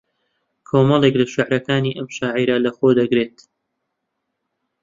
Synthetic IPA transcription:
kʰoːmɑlˠeklɐʃɪʕɾɐkaːniʔɐmʃaːʕiɾɐlɐxoːd̪ɐɡɾeːt̪

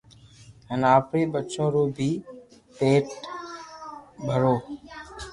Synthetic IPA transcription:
ɦənaːpɾeːɓətːt͡ʃõːɾoːbʱiː | peːʈ | bʱəɽoː

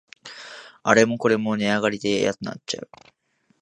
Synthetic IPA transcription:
aɾe̞mo̞ko̞ɾe̞mo̞neaɡaɾʲid̪e̞ja̰k̪ɯna̰t͡ɕt͡ɕːa̰ɯ̟

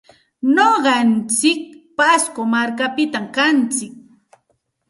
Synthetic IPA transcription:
noɢɑnt͡sɪk̚paskomaɾkapɪt̪amkant͡sɪk̚

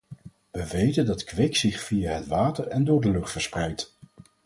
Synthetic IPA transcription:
ʋəʋejtəndɑtkʋɪksɪχfijaɦətʋaːtəɹɛndʊːɹdəlɵχtfəɹsprɛjt

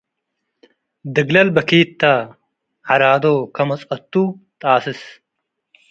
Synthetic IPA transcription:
d̪ɨɡlɐlbɐkiːt̪ːa | ʕɐɾaːd̪oːkɐmɐt͡sʼɐt̪ːut̪ʼaːsɨs

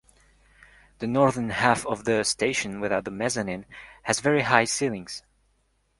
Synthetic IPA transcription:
ðɨnɔɹðə˞nhæfʌvðəstʰeɪʃɨ̃nwɪðaʊt̪̚ðəmɛzɨnɪ̃nhɨzvɛɹiɦaɪsilˠɪ̃ŋz̥

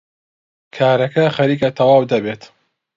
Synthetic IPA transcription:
kʰaːɾɐkɐxɐɾiːkɐt̪ʰɐwaːwd̪ɐbeːt̪

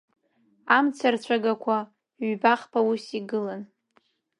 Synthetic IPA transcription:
amt͡sʰart͡ɕʷʰaɡakʷʰa | ɥbaχpʰausiɡɨlan

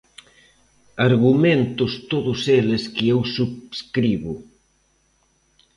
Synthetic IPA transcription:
aɾɣumẽnt̪ʊst̪oðʊseleskɪewsuβskɾiβʊ

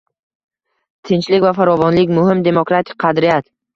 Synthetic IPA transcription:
t̪ʰɪnt͡ʃlɪkʲvafaɾɒvɒnlɪkʲmʊɦɪmd̪e̞mokɾat̪ʰɪ̥k̚ʲqʰɑd̪ɾɪjat̪

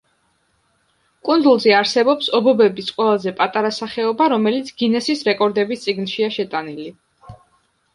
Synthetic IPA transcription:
kʼund̪zulˠzɛaɾsɛbɔpsɔbɔbɛbisqʼwɛlˠazɛpʼat̪ʼaɾasaχɛɔbaɾɔmɛlit̪sʰɡ̥inɛsisɾɛkʼɔɾd̪ɛbist̪sʼiɡnʃiaʃɛt̪ʼanili

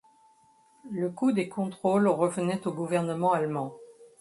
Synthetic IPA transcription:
ləkud̪ekɔ̃t̪χolʁəvənɛt̪oɡuvɛʁnəmɑ̃almɑ̃

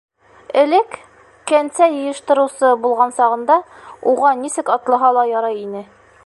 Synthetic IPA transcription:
ɘ̆lɘkː | ænsæjɤ̆jɤ̆ʃt̪ɤ̆ɾɤ̆wsɤbulˠʁɑnsɒʁɤ̆nd̪ɑuʁɑnisɘkɒt̪lˠɤ̆ɦɑlˠɑjɒɾɑjinɘ

